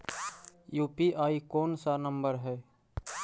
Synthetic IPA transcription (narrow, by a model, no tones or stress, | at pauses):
juːpiʔaːikoːnsanəmbəɾɦɛː